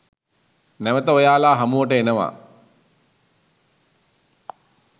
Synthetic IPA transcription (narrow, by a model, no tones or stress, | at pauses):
næʋət̪əojaːlaːɦamuʋəʈəenəʋa̰ː